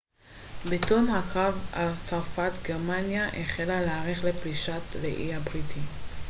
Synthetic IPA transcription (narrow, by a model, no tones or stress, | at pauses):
betomhakʁavalt͡saʁfat̪ɡeʁmanjaʔeχelaleaʁeχlepiʃatleʔiabʁitʰi